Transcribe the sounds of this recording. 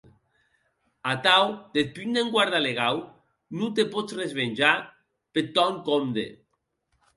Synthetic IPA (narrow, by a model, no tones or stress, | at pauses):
at̪awd̪̥et̪̚pynd̪eŋɡwaɾðaleɣ̞aw | nut̪epɔt͡srezβenʲʒa | pet̪ɔŋkomd̪ḛ